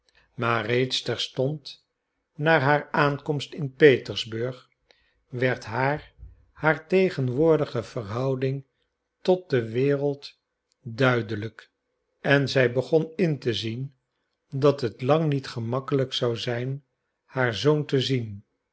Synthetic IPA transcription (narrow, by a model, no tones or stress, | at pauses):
maːrejtstɛɹstɔnt | naːɹɦaːɹaːnkɔmstɪnpejtəɹzbɵɹχ | ʋɛɹtɦaːɹ | haːɹtejχənʋʊːɹdəχəvəɹɦɑwdɪŋ | tɔt̚dəʋɪːrəlˠt | dœɥdələk | ɛnzɛjbəχɔnɪntəzin | dɑtɦətlɑŋnitχəmɑkələksɑwzɛjn | haːɹzowntəzin